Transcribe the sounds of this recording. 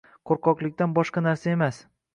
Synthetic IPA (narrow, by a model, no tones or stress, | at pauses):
qʰoɾqɒqlˠɪkʲt̪anbɒʃqɑnaɾsae̞mas